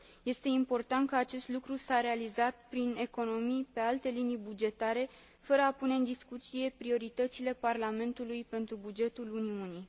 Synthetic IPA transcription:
je̞st̪e̞impo̞rt̪ant̪̚kəat͡ʃe̞st̪lukɾusaɾe̞alizat̪̚pɾine̞ko̞no̞mijpe̞alt̪e̞linibud͡ʒe̞t̪aɾe̞ | fəɾəapune̞ɨnd̪iskut̪sije̞pɾio̞ɾit̪ət̪sile̞parlame̞nt̪ulujpe̞nt̪ɾubud͡ʒe̞t̪uluniuni

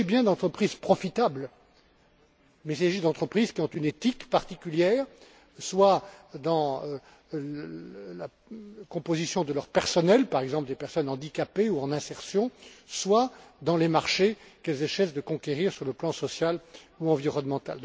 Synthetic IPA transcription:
ibjɛ̃d̪ɑ̃t̪χəpχizpχɔfit̪abl | mɛisaʒid̪ɑ̃t̪χəpχizkʲiɔ̃t̪ynet̪ikpaʁt̪ikʲyljɛːʁ | swad̪ɑ̃ | la | kɔ̃pozisjɔ̃d̪əlœʁpɛʁsɔnɛlpaʁɛɡzɑ̃pləd̪epɛʁsɔnɑ̃d̪ikapeuɑ̃nɛ̃sɛʁsjɔ̃swad̪ɑ̃lemaʁʃekɛlzɛʃɛsd̪əkɔ̃kʲeʁiʁsyʁləplɑ̃sɔsjaluɑ̃viʁɔnmɑ̃t̪a̰ld̪ɔ̃

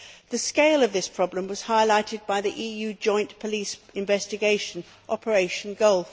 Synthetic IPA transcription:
ðɨskeɪlˠəvðɪspʰɹ̥ɒblə̃mwʌz̥haɪlaɪtʰɪd̚baɪðiʔiːjʉd͡ʒɔ̃ɪ̃npʰəliˑsɪ̃ɱvɛstɨɡeɪʃə̃n | ʔɒpʰə˞eɪʃə̃n̩ɡoʊlˠf

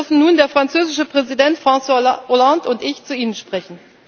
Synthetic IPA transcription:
ɐfn̩nuːndeːɐfʁ̥ant͡søːzɪʃəpʁ̥ɛzidɛntfʁ̥ɑ̃saʔolãntʊntɪçt͡suiːnənʃpʁ̥ɛçn̩

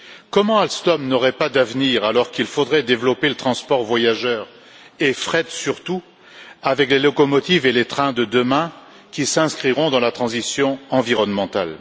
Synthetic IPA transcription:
kɔmɑ̃alst̪ɔmnɔʁɛpad̪avniʁalɔʁkilfod̪ʁɛd̪evlɔpelət̪χɑ̃spɔʁvwajaʒœʁ | efχɛd̪syʁt̪u | avɛklelɔkɔmɔt̪ivelet̪χɛ̃d̪əd̪əmɛ̃ | kʲisɛ̃skχiʁɔ̃d̪ɑ̃lat̪χɑ̃zisjɔ̃ɑ̃viʁɔnmɑ̃t̪a̰l

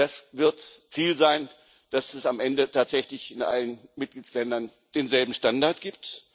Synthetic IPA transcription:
d̥asvɪɐtt͡siːlzaɪn | d̥asɛsamʔɛndətʰaːtz̥ɛçlɪçɪnʔa̰lənmɪt̚ɡ̥liːtslɛndɐn | d̥eːnzɛlbm̩ʃtandaɐtɡ̥iːp̚t

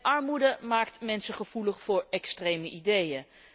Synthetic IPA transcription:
ʔɑɹmudəmaːktmɛnsəχəv̥uləχfʊːɹɛkstrejməʔidejə

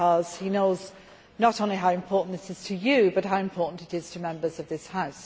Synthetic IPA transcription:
ʌz̥hinoʊz | nəɾõʊ̃nliɦaʊɨ̃mpʰɔɹʔn̩ðɪsɨz̥tʰɨjɨbʌt̚ɦaʊɨ̃mpʰɔˑɹʔn̩tɨɾɪz̥tʰɨmɛ̃mbə˞zʌvðɪshaʊs

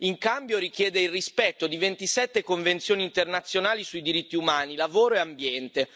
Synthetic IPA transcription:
iŋkambjoɾik̟jɛːd̪eilrispɛt̪ːod̪ivent̪isɛt̪ːekoɱvent̪sjoːniːnt̪ernat̪sːjonaːlisuid̪iɾit̪ːiumaːnilavoːɾoeambjɛnt̪e

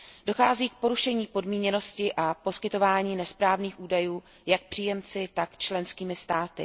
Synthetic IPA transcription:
do̞xaːziːk̚po̞ɾuʃɛɲiːpo̞dmiːɲɛno̞scɪʔapo̞skɪt̪o̞vaːɲiːnɛspɾaːvniːxʔuːdajuː | jak̚pr̥iːjɛmt͡sɪt̪akt͡ʃlɛnskiːmɪst̪aːt̪ɪ̰

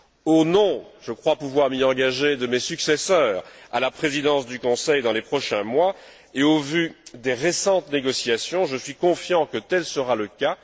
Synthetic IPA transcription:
onɔ̃ʒ̥əkχwapuvwaʁmiɑ̃ɡaʒed̪əmesyksɛsœːʁa̰lapχezid̪ɑ̃sd̪ykɔ̃sɛjd̪ɑ̃lepχɔʃɛ̃mwa | eovyd̪eʁesɑ̃t̪neɡɔsjasjɔ̃ʒəsɥikɔ̃fjɑ̃kət̪ɛlsəʁaləka

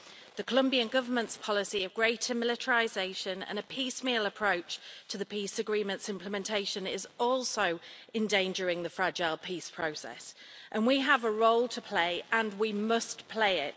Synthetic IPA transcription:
ðəkʰəlʊ̃mbiə̃nɡʌvəmə̃ntspʰɒlɪsiəvɡɹeɪtʰəmɪlɪtʰəɹɪzeɪʃə̃nə̰̃nəpʰiˑsmiːləpʰɹ̥oʊt͡ʃtʰəðəpʰiˑsəɡɹĩːmə̃ntsɪ̃mpʰlɪmɛ̃ntʰeɪʃə̃nɪzɔˑlˠsoʊɛ̃ndẽɪ̃nd͡ʒəɹɪ̃ŋðəfɹad͡ʒaɪlˠpʰiˑspʰɹ̥oʊsɛ̰s | ʔə̃nwiəvəɹoʊlˠtʰəpʰl̥eɪə̃nwimʌspʰl̥eɪɪt

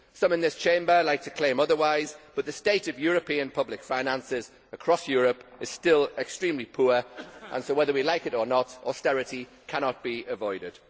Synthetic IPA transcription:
sʌ̃mɪ̃nðɪst͡ʃʰẽɪ̃mbəlaɪk̚tʰə̥kʰl̥ẽɪ̃mʌðəwaɪzb̥ʌʔ̪̚ðəsteɪtəvjɔːɹəpʰĩə̃npʰʌblɪkfãɪ̃nãnsɪz | əkʰɹ̥ɒsjɔːɹəpɪz̥stɪlɛkstɹ̥ĩmlipʰɔːɹʔə̰̃nsoʊwɛðəwilaɪkɪtənətɔstɛɹɪti | kʰañət̚b̥iəvɔɪɾɪd̥

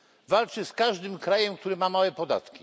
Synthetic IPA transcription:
valt͡ʂɘskaʐd̪ɘmkɾajɛmk̚t̪uɾɘmamawɛpɔd̪a̰t̪kʲi̥

